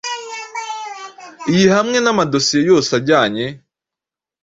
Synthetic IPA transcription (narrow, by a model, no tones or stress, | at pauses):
ijihamŋe̞namadosijejo̞ːsaɟaːɲe